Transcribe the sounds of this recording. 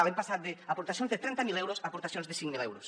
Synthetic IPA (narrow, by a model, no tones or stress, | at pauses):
alempasat̪̚d̪eapoɾt̪asjõnzðet̪ɾent̪amilewɾosapoɾt̪asjonzðesiŋmilḛwɾos